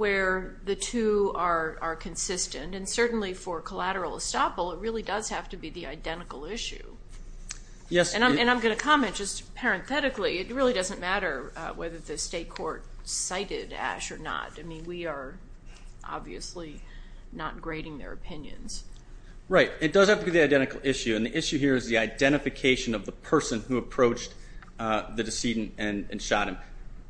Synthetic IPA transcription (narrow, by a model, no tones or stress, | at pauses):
wə˞ðɨtʰʉə˞ə˞kʰɨ̃nsɪstɨ̃ntɨ̃nsɜ˞ʔn̩lifə˞kʰəlæɾə˞l̩ˠə̰stɑpl̩ˠət̚ɹɪlˠidʌz̥hæftɨbiðiaɪdɛ̃ɾ̃ɨkl̩ˠɪʃʉ̰ | jɛɨ̃nãɪ̃ɨ̃ñãɪ̃mɡʌñɨkʰɑmɛ̃nd̥ʒ̥ʌstpʰɛɹɨ̃nθɛɾɨkliɨt̚ɹɪlˠidʌzɨ̃nmæɾə˞wɛðə˞ðɨsteɪt̚kʰɔɹt̚saɪɾɪɾæ̰ʃə˞nə̰taɪmĩnwiə˞ | ʔɑ̰bviɨ̰sli | nə̰t̚ɡ̥ɹeɪɾɪ̃ŋðə̰˞ɨ̰pʰɪ̃njɨ̰̃nz̥ | ɹaɪt̚ɨt̚d̥ʌz̥hæftəɡiðiaɪdɛ̃ɾ̃ɨkl̩ˠɪʃʉɨ̃nðiʔɪʃʉɦiɹɨzðiaɪdɛ̃ɾ̃ɨfɨkʰeɪʃɨ̃nʌvðəpʰɜ˞sɨ̃nhuəpʰɹ̥oʊt͡ʃ | ðɨdɨsidⁿn̩tɨ̃nɨ̃nʃɑ̰t̚ɨ̃m